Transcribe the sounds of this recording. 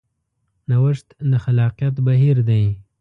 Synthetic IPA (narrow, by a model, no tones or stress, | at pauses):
nawəʂt̪naxalɑqjat̪baɦiɾd̪aj